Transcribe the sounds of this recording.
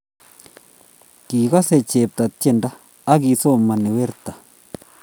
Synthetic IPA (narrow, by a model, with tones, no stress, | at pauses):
ki˨ka˦se˦˨t͡ʃe˨p̚t̪a˨t̚t͡ʃe˦˨ndaː˦ | ɡi˧˨so˦ma˨ni˨we˦ɾt̪a˨